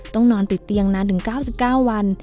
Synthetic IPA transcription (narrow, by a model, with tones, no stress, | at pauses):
t̪ɔ˥˩ŋnɔː˧nt̪i˨˩t̪ːi˧əŋnaː˦˥nt̪ʰɯ˩˦ŋkaː˥˩wsi˨˩p̚kaː˥˩wːa˧n